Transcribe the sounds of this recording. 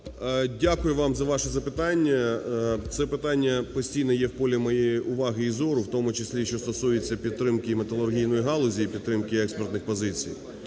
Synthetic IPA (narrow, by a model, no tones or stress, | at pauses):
dʲakʊjʊʋɑmzɐʋɑʃɛzɐpɪt̪ɑnʲːɐt̪sɛpɪt̪ɑnʲːɐpɔsʲtʲijnɛjɛwpɔlʲimɔjejiʔʊʋɑɦɪizɔɾʊwt̪ɔmʊt͡ʃesʲlʲiʃt͡ʃɔst̪ɔsujɪt͡sʲːɐpʲid̪̚t̪ɾɪmkɪmet̪ɐlˠʊrɦʲijnɔjiɦɑlˠɔzʲiipʲid̪t̪ːɾɪmkɪɛkspert̪nɪxpɔzɪt͡sʲḭj